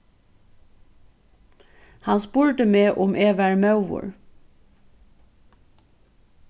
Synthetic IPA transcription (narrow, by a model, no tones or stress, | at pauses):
hɑnspuːɹt̪əmeːʔʊmʔeːʋæɹmɑʉʋʊ̰ɹ